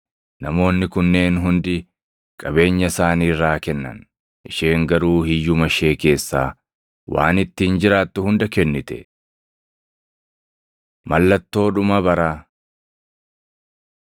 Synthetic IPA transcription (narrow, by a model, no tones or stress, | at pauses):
nɐmo̞ːnːɪkʊnːe̞ːnɦʊnd̪ɪ | kʼɐbe̞ːɲːɐsaːniːrːaːkɛnːɐ̰n | ʔɪʃe̞ːŋɡɐɾuːhɪjːʊmɐʃe̞ːke̞ːsːa̰ː | wʔa̰ːnɪt̪ːiːnd͡ʒɪɾaːt̪ːʊhʊnd̪ɐkɛnːɪt̪ɛ̰ | mɐlːɐt̪ːo̞ːᶑʊmɐbɐɾaː